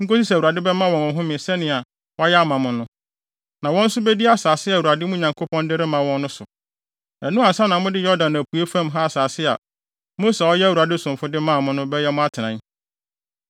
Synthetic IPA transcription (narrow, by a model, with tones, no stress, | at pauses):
ŋ̩˦ko˦si˦sɛ˨u˨a˨dɪ˦bɛ˦mã˦wɔ̃˨mʊ̃˨ɦʊ̃˦mɪ̃˨sɛ˦nɪ̃˨a˨ | wɔ˦a˦jɛ˦a˦mã˨mʊ̃˨nʊ̃˦ | nã˨wɔ̃˦n̩˦sʊ˦bɛ˦di˦a˦saː˨sɪ˦a˨wu˨a˨dɪ˦mʊ̃˦˨ɲã˨kʰo˦pʰɔ̃˦ndɪ˦ɾɪ˦mã˨wɔ̃˦nːʊ̃˦sʊ˨ | æ˨nũ˦a˨sa˦nã˨mʊ̃˦dɪ˦jɔ˦dã˨nːæ˨pʰu˨e˦fã˦mɦa˦a˨saː˨sɪ˦a˨ | mõ˦sɛ˨ɔ˦jɛ˦wu˨a˨dɪ˦sʊ̃˨m˨fʊ˦dɪ˦mã˦˨mʊ̃˦nʊ̃˦bɛ˦jɛ˦mʊ̃˦a˦tʰɪ˨nã˨˦